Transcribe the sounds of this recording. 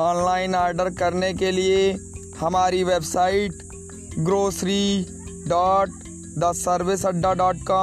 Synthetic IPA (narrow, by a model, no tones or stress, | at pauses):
ɔːnlaːɪnaːɾɖəɾkɐɾnekelie | hɐmaːɾiʋeːbsaːɪʈ | ɡɾoːsɾi | ɖaːʈ | d̪ɐsːəɾʋɪsɐɖːaɖɔːʈ̚kaː